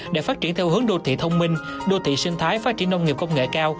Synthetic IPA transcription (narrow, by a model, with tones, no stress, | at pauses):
ɗḛ˧˩faː˦˥t͡ɕi˧˩ənt̪ʰɛ˧whɨ˨˦əŋɗo˧t̪ʰḭ˧˨t̪ʰə˧wŋ͡mmï˧ŋ̟ | ɗo˧t̪ʰḭ˧˨sï˧ŋ̟t̪ʰaː˨˦jfaː˦˥t̚t͡ɕi˧˩ən˧wŋ͡mŋi˨˩p̚kə˧wŋ͡mŋḛ˧˨kaː˧w